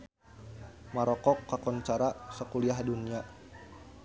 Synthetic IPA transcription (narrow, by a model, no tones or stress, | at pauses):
maɾɔkɔkːakɔnt͡ʃaɾasəkuliahdunia